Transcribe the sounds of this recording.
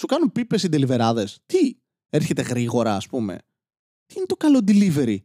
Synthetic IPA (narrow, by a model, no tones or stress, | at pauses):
sukɐnumpipesind̪elive̞ɾɐðe̞st̪i | eɾçe̞t̪e̞ɣɾiɣo̞ɾɐːspume̞̰ | t̪iinet̪o̞kɐlod̪ilive̞ɾi